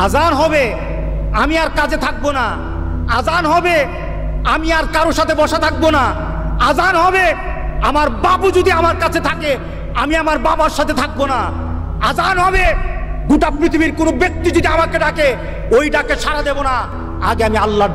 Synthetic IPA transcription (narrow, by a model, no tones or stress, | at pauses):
ad͡ʑanɦɔbe | amiaɾkad͡ʑet̪ʰak̚bona | ad͡ʑanɦɔbe | amiaɾkaɾoʃat̪ʰebɔʃat̪ʰak̚bona | ad͡ʑanɦɔbe | amaɾbabud͡ʑod̪iamaɾkat͡ɕʰet̪ʰake | amiamaɾbabaɾʃat̪ʰet̪ʰak̚bona | ad͡ʑanɦɔbe | ɡuʈapɾit̪ʰibiɾkonobek̚t̪id͡ʑod̪iamakeɖake | ojɖakeʃaɾad̪ebona | aɡeamialːa